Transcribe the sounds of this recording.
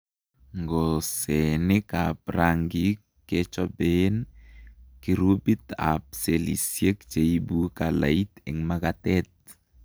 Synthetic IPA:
ŋɡɔsɛnɪkapraŋɡi | ket͡ʃɔben | kiɾubit̪a̰p̚selḭsjekt͡ʃeibukala̰it̪ɛ̰ŋmaɡat̪ɛt̪̚

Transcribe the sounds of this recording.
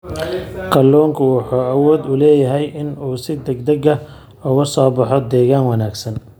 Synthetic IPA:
kʰɐlːɔːŋkʰʊwɑħuːɐwɔːd̪ʊlɛːjɐɦɛjʔɪnuːsɪd̪ɐɡd̪ɐɡɐ | ʊɣɐsɔːbɑħɔd̪ɛːɣaːnwɑnaːɡsɐn

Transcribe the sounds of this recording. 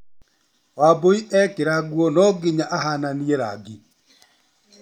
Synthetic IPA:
waboiʔɛkeɾaɡwɔnɔɡeɲaʔaɦananiɛɾa̰ɡi

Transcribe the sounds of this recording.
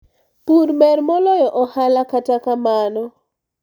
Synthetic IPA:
puɾmɛɾmɔlɔjɔʔɔhalakatakamanɔ

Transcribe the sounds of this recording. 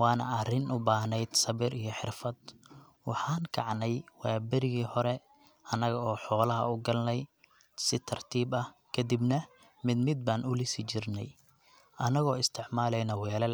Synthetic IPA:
wɑːnɐ̰ɐrɪnʔʊbaːhnɛjd̪sɐβɪɾijɞħɪrfɐd̪ | wɑħɑːŋkʰɑ̰ʕnɛjwaːbɐɾɪɣiːhɔɾɛ | ʔɐnɐɣɐɔːħɔːlɐɦɐ̰ʊɡɐlnɛj | sɪt̪ʰɐrt̪ʰiːbɐhkʰɐd̪ibnɐ | mɪd̪mɪd̪̚baːnʊlɪsɪt͡ʃɪrnɛ̰j | ʔɐnɐɣɔːɪst̪ʰɪʕmaːlɛjnɐwɛːlɛl

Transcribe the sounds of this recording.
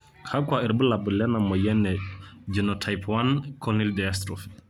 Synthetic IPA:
kʰakwaiɾbəlabəlɛnamɔjɛnːɛd͡ʒinɔtʰajpwankʰɔnildɛjastɾɔf

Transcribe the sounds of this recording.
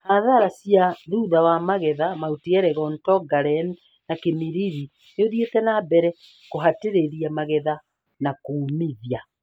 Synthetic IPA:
haðaɾasijaðuðawamaɣɛðamautiɛɾɛɣɔntɔɡaɾɛn | nakemiɾiɾi | neoðietɛnabɛɾɛ | koɦateɾeɾiamaɣɛða | nakuːmiðia

